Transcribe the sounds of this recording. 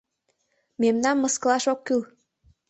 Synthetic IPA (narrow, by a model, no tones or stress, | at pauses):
memnɑnːɤ̆skɤ̆lɑʃokːyl